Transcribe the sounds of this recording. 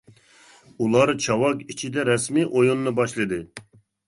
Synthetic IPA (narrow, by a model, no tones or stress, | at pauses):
ulˠɑɾt͡ʃʰɑwɑkit͡ʃʰid̪ɛɾɛsmiʔojunːɨbɑʃlˠɨd̪ɨ